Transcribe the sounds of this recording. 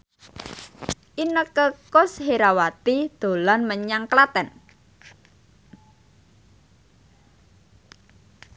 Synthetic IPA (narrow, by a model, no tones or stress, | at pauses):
ʔinəkəkʊsheɾawat̪id̪̥o̤lanməɲaŋklat̪ɛn